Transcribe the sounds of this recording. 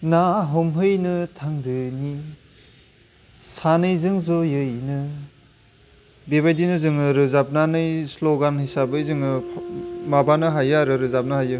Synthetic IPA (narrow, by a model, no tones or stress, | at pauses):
naɦɔmɦɯjnɯtʰaŋdɯni | sanɯjzɯŋzɔjɯjnɯ | bebajdinɯzɯŋɯɾɯzap̚nanɯjsloɡanhijsabɯjzɯŋɯ | mabanɯɦajaɾɯɾɯzap̚nɯɦajɯ